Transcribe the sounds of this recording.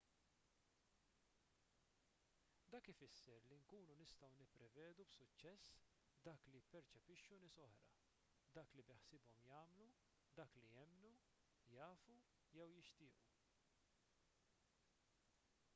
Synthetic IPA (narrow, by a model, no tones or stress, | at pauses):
d̪ɐːkɪfɪsːɛɾliŋkuːnunɪst̪ɐwnɪpːɾɛvɛːd̪ubsʊt͡ʃːɛsː | d̪ɐːklijpːɛɾt͡ʃɛpɪʃːunɪːsɔħɾɐ̰ | d̪ɐːklibɛħsɪbɔmjɐːmlu | d̪ɐːklijɛmnu | jɐːfu | jɛwjɪʃt̪ɪːʔu